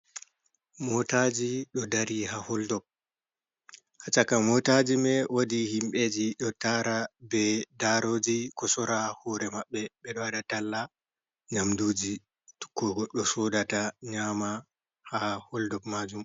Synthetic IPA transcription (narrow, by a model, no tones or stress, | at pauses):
mɔtad͡ʒiɗɔdaɾiɦahɔldɔb̚ | hat͡ʃakamɔtad͡ʒimɛwadihimɓed͡ʒiɗɔtaɾabɛdaɾoːd͡ʒikɔsɔɾahɔɾɛmaɓːɛɓɛɗɔwadatalːa | ɲamduːd͡ʒi | kːɔɔɗɔsɔdataɲaːma | hahɔldɔbmad͡ʒum